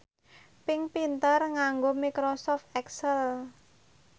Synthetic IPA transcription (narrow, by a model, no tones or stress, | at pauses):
pɪŋpint̪ərŋaŋɡomikɾɔsɔft̪ɛksəl